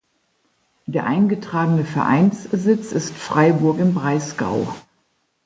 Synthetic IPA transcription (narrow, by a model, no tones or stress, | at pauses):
d̥eːɐʔaɪnɡətʁ̥aːɡənəfɛɐʔa̰ɪnszɪt͡sɪstfʁ̥aɪbʊɐkɪmbʁaɪsɡ̥a̰ʊ